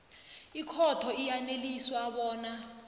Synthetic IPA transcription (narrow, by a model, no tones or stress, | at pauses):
ikʰɔtʰɔijaneliswaɓɔːna